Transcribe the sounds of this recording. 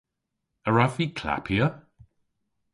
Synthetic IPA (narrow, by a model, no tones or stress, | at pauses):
əɹaviːkʰla̰pʰiə